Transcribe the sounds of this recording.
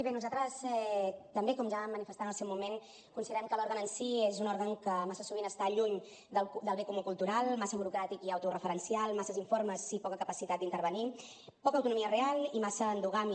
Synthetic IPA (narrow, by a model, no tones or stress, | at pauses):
iβenuzalt̪ɾəsɛt̪əmbekɔmʒamːənifəst̪anəlˠseɛwmumen | kunsiðəɾɛmkəlɔɾɣənənsiezunɔɾɣəŋkəmasəsuβinəst̪aʎuɲ | d̪əd̪əlˠβekumukulˠt̪uɾalˠmasəβuɾukɾat̪ikiawt̪urəfəɾənsialˠmasəziɱfoɾməzipɔkəkəpəsit̪at̪̚d̪int̪əɾβəni | pɔkəwt̪unumiərealˠimasəːnd̪uɣam